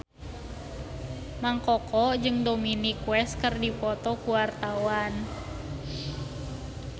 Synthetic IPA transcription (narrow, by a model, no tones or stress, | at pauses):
maŋkɔkɔd͡ʒɨŋdominikwɛskɨrdipɔt̪ɔkuwart̪awan